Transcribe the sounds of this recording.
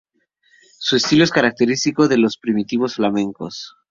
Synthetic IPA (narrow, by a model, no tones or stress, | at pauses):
sue̞st̪iloeskaɾak̚t̪e̞ɾist̪iko̞ðe̞lo̞spɾimit̪iβ̞o̞sflamẽ̞ŋkos